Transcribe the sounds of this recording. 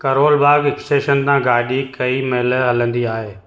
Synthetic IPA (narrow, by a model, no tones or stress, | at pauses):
kɐɾoːlbaːɡɪksʈeːʃənt̪ãːɡaːɗikɐiːmɐɦɪləɦɐlə̃nd̪iaːɦeː